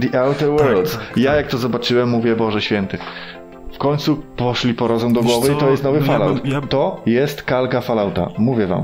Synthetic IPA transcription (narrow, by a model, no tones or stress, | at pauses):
d̪iʔawt̪ɛwɛɾld̪zjajak̚t̪ɔzɔbat͡ʂɘwɛmːuvʲjɛbɔʐɛɕfʲjɛnt̪ɛ | fkɔɲt̪supɔʂlʲipɔɾɔzɔ̃w̃d̪ɔɡwɔvɘit̪ɔjɛst̪nɔvɨfala̰wt̪t̪ːɔjɛst̪kalkafalawt̪a̰muvʲjɛva̰m